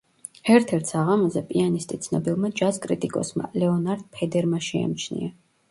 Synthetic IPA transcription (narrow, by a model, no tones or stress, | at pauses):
ɛɾt̪ʰɛɾt̪ʰsaʁamɔzɛpʼianist̪ʼit̪sʰnɔbilˠmad͡ʒazkʼɾit̪ʼikʼɔ̰sma̰lɛɔnaɾd̪̥̚pʰɛd̪ɛɾmaʃɛa̰mt͡ʃʰnḭa